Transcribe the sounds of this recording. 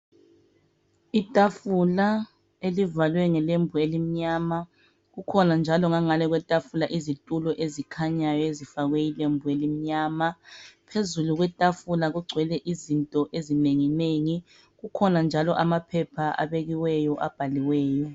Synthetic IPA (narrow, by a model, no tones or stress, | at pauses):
itʼafula | elivalwɛŋɛlembʱuelim̩ɲaːma | ɣukʰɔnand͡ʒʱalɔŋaŋalɛɣwɛtʼafulaʔizitʼulɔʔezikʰaɲajɔezifaɣwɛilembʱuelim̩ɲaːmapʰezuluɣwɛtʼafulaɣuɡ͡ǀʱwɛlɛʔizintʼɔʔezineŋineŋi | ɣukʰɔnand͡ʒʱalɔʔamapʰɛpʰaa̰βeɣiwɛjɔʔab̥ʱaliwɛːjɔ